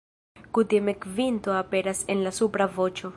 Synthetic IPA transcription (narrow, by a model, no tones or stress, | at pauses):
kut̪emekvint̪oape̞ɾase̞nlasupɾavo̞t͡ʃo̞